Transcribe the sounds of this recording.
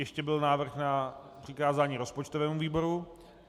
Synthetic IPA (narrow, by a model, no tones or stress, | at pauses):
jɛʃcɛbɪlnaːvr̩xnapr̝̥ɪkaːzaːɲiːɾo̞spot͡ʃt̪o̞vɛːmuviːbo̞ɾu